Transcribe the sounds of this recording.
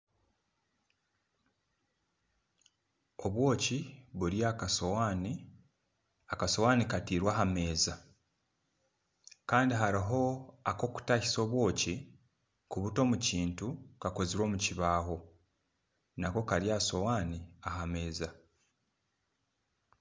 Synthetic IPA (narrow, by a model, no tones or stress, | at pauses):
o̞βwo̞ːciβuɾjaːkasowaːni | akaso̞waːnikatiːɾwaːɦame̞ːza | kaːndiɦaɾiɦo̞ako̞ku̥taçi̥so̞ːβwo̞ːci | kuβuto̞ːmuciːntukako̞ziɾwo̞ːmuciβaːɦo̞ | nako̞kaɾjaːso̞waːniahame̞ːza